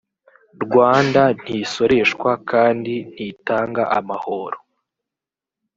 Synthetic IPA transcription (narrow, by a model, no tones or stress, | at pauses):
ɾɡwaːndan̥hiso̞ɾe̞ʃkwakaːndin̥hitaːŋɡaʔamahoɾo